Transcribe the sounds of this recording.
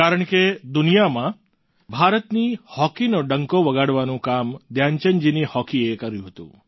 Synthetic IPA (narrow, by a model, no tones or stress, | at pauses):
kaɾəɳked̪unijamã | bʱaɾət̪nihɔkinoɖəŋkoʋəɡaɽʋanũkamd̪jaɲt͡ʃənd͡ʒinihɔkiekəɾjũɦət̪ṵ̃